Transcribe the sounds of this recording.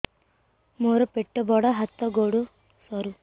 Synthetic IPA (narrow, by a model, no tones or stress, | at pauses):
moɾɔpeʈːɔbɔɽɔɦat̪ːɔɡoɽu | sɔɾu